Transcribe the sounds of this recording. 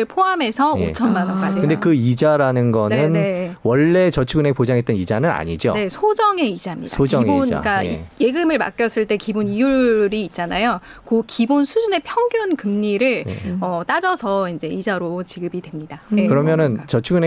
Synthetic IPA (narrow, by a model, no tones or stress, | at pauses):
ɭpʰoame̞sʰʌo̰t͡ɕʰʌnmanʌk͈ad͡ʑikɯndekɯid͡ʑaɾanɯnɡʌnnɯnewʌɭːe̞t͡ɕʌt͡ɕʰuɡɯnepod͡ʑaŋɦet̚t͈ʌnid͡ʑanɯna̰ɲid͡ʑo̰ne̞sʰod͡ʑʌŋe̞id͡ʑamɲḭdaoʌiŋbona̰k͈aje̞ɡɯmɯɭma̰k͈jʌs͈ɯɭt͈e̞kibunijuɾiːt̚t͡ɕ͈anajo | kokibonsʰud͡ʑune̞pʰjʌŋɡjunkɯmɲiɾɯɭ̰ʌt͈ad͡ʑʌsʰʌind͡ʑe̞id͡ʑaɾot͡ɕiɡɯbidwe̞mɲidakɯɾʌmjʌnɯnt͡ɕʌt͡ɕʰuɡɯne